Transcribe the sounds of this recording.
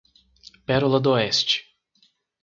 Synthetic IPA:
pɛɾulɐd̪oɛst͡ʃɪ̥

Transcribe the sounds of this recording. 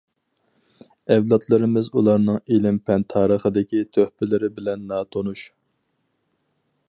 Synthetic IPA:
ɛwlˠɑt̪ʰlˠɨɾɪmɪzulˠɑɾnɨŋilɪmpʰɛnt̪ʰɑːɾəχəd̪ɪkʲit̪ʰøhpɪlɪɾɪbɪlɛnːɑːt̪ʰonuʃ

